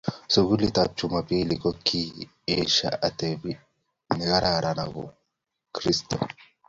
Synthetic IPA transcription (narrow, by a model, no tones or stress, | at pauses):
sʊɡʊlɪt̪aːp̚t͡ʃːʊmɐpiːlɪkɔkʰːi | eːʃːɐ̰ʔɐt̪eːbɪ | nɪɡɐɾaːɾɐnɐ̰bʊ̰ | kɾɪst̪ɐ